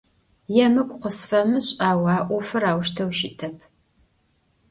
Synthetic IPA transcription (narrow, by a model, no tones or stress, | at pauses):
jɛmɨkʷʼqəsfɐmɨɕʼaːwɑːʔʷɔfɨɾaːwʃtʰɐwʃɪtʰɐpʰ